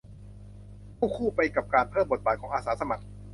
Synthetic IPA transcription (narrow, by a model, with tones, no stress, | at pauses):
kʰuː˥˩kʰuː˥˩pa˧jka˨˩p̚kaː˧npʰɤː˥˩mbo˨˩t̪̚baː˨˩t̚kʰɔː˩˦ŋʔaː˧saː˩˦˥sa˧ma˨˩k̚